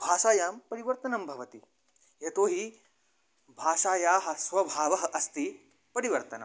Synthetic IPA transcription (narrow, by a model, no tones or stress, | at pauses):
bʱaːʂaːjaːmpɐɾiʋɐɾt̪ɐnɐmbʱɐʋɐt̪i | ɦjɐt̪oːɦiː | bʱaːʂaːjaːɦɐ̆sʋɐbʱaːʋɐɦɐʔɐst̪iː | pɐɾiʋɐɾt̪ɐnɐ̰m